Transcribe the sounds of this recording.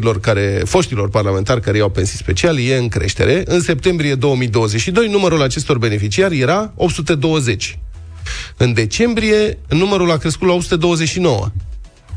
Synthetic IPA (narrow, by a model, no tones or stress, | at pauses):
ilo̞rkaɾefo̞ʃt̪ilo̞rparlame̞nt̪arʲkaɾejawpe̞nsispe̞t͡ʃialje̞ɨŋkɾḛʃt̪e̞̰ɾʔe̞ʔɨnse̞p̚t̪e̞mbɾije̞d̪o̞wəmid̪o̞wəze̞t͡ʃʲʃid̪o̞jnuməɾulat͡ʃe̞st̪o̞rbe̞ne̞fit͡ʃiarje̞ɾaop̚t̪sut̪ed̪o̞wəze̞t͡ʃʲ | ɨnd̪e̞t͡ʃe̞mbɾije̞numəɾulakɾeskut̪lao̞ptsut̪ed̪o̞wəzeʃino̞wə̰